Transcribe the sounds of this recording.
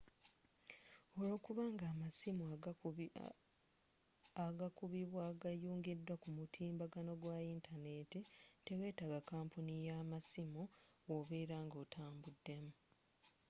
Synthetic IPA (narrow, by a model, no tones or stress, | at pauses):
o̞lo̞ːkuβaːŋɡaːmasimu | aɡakuβiβwaɡajuːŋɡidːwakumutʰiːmbaɡano̞ɡwaintane̞titewe̞ːtaɡakaːmpunijamasimu | oβeːɾaːŋɡo̞ːtʰaːmbudːe̞mu